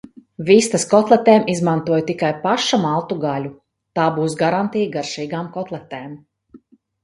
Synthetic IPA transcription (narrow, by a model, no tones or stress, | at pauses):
vist̪askɔt̪lˠɛt̪ɛːmizmant̪uɔjt̪ikajpaʃamalˠt̪uɡalʲu | t̪aːbuːs̬ɡaɾant̪ijɡaɾʃiːɡaːmkɔt̪lˠɛt̪ɛːm